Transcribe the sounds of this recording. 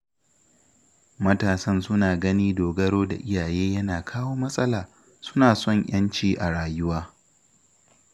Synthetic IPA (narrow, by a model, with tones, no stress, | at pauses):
mɐ˦taː˨sɐ˦nsʊ˦naː˨ɡɐ˦niː˦doː˨ɡɐ˦ɽoː˦da̰˨ʔɪ˦jaː˨jeː˦jɐ˦naː˨kʰaː˦woː˦mɐ˦sʼɐ˦laː˨ | sʊ̥˦naː˨sɔ˦˨ɲʔj̰ɐ˦nt͡ʃiː˦ʔa˨ɽaː˨jʊ˦waː˦